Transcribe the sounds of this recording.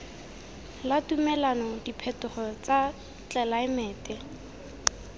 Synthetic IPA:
latumɛlanɔdipʰɛtʊχɔt͡sa | t͡ɬɛlaɪmɛːtɛ

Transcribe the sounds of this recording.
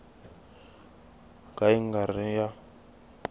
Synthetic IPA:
kaiŋɡarija

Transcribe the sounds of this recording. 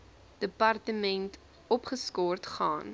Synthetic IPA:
d̥əpɐrtəmɛnt | ɔpχəskɔrtχɑ̰ːn

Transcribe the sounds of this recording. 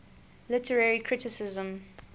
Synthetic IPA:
lɪtʰəɹɛɹikʰɹɪtɪsɪzə̃m

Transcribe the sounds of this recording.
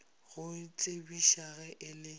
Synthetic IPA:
ɣʊt͡sʼebiʃaɣɛʔɪlɪ

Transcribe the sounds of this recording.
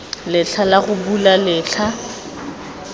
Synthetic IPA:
lɪɬʰalaɣʊbulalɪːɬʰa

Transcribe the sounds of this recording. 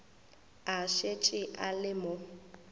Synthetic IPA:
aʃet͡ʃʼɪʔalɪmʊ

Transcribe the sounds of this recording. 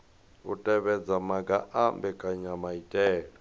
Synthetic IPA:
utʼɛβɛd͡zamaɡaʔambɛkʼaɲamaitʼɛːlɛ

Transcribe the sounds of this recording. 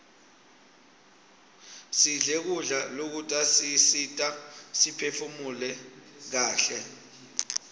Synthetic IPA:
siɮɛk̬uɮalok̬utʼasisitʼasipʰefumulɛk̬aːɬɛ

